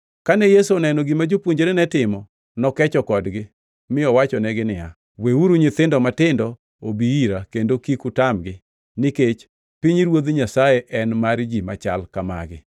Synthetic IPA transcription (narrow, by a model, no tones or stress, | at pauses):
kanɛjesuɔnɛnɔɡimad͡ʒopwoɲd͡ʒeɾenɛtɪmɔ | nɔkɛt͡ʃɔkɔdɡɪ | mɪɔwat͡ʃɔnɛɡɪnɪa̰ | weuɾuɲɪt̪ɪndɔmatɪndɔ | obiiɾakendokikutamɡɪ | nɪket͡ʃ | piɲɾwod̪ɲasajeʔɛnmaɾd͡ʒima̰t͡ʃalkama̰ɡɪ̰